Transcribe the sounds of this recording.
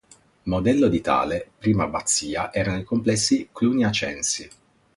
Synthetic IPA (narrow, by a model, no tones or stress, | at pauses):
mod̪ɛlːod̪it̪a̰ːlepɾiːmabat̪sːiːaʔɛːɾanoikomplɛsːikluniat͡ʃɛ̰nsi